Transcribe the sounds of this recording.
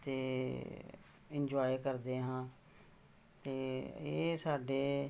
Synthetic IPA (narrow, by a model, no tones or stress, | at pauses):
t̪eː | ɪnd͡ʒoːikəɾd̪eːɦãː | t̪eːeːsaːɖeː